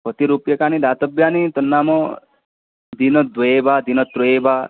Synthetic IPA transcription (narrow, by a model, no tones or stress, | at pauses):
kɔt̪iɾupjɐkaːnid̪aːt̪əbjaːnit̪ɔnːaːmɔ | d̪inɔd̪ʋɔebad̪inɔt̪ɾɔeba